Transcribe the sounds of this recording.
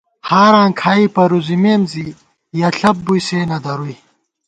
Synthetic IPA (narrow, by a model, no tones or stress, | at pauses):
haːɾãːŋkʰaːipɐɾuzimeːnzi | jɐɬɐp̚bujseːnɐd̪ɐɾuj